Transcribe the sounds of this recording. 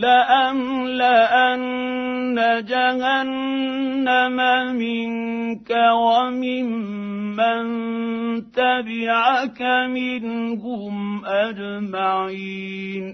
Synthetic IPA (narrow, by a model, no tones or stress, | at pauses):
laʔam | laʔanː | ad͡ʒaɣanː | amamɪŋkawamɪmː | an | t̪abɪʕakamɪnkʊmʔad͡ʒmaʕin